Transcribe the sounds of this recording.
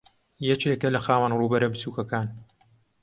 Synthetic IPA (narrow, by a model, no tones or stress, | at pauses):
jɛt͡ʃeːkɐlɐxaːwanruːbɐɾɐbɨsuːkɐkaːn